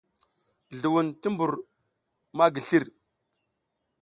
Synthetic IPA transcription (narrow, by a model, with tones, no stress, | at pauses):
ɮu˨wu˨nti˦mbu˨ɾ | ma˦ɡi˨ɬi˦ɾ